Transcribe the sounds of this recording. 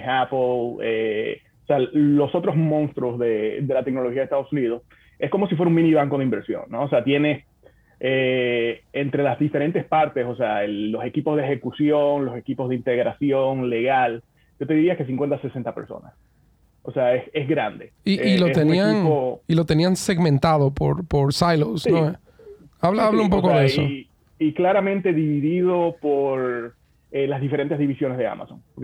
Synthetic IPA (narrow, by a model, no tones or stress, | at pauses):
aplḛ | osealo̞so̞t̪ɾo̞zmõnst̪ɾozðe̞ðe̞lat̪ek̚no̞loxiaðest̪aðosunið̞o̞s | e̞sko̞mo̞sifweɾauŋmĩniβaŋko̞ðeimbe̞ɾsjo̞̰nːoːs̬eat̪je̞ne̞s | e | ent̪ɾe̞lazðife̞ɾe̞nt̪e̞spaɾt̪e̞soseaelːo̞se̞kipo̞zðexe̞kusjo̞ŋlo̞se̞kipo̞zðeint̪e̞ɣɾasjo̞ŋle̞ɣal | ɟ͡ʝo̞t̪e̞ðiɾiake̞s̬iŋkwe̞nt̪ase̞se̞nt̪ape̞ɾso̰na̰s | oseaesezɣɾand̪eiʔːlot̪enianoilo̞t̪e̞nianse̞ɣmẽnt̪aðopo̰ɾpo̞ɾsajlossnoe | aβlaaβlaump̬okoðeeso | iklaɾamẽnt̪e̞ðiβiðiðo̞poɾ | elazðifeɾe̞nt̪ezðiβisjo̞nezðea̰mʔa̰so̞ŋpoɾk